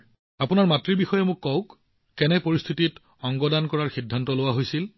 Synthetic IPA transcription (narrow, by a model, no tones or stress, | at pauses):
apʊnaɹmatɹibixɔjɛmʊkːɔwkː | ɛnɛpoɹist̪ʰitit | ɔŋɡɔdankɔɹaɹxidʱːantɔlʊwaɦojsil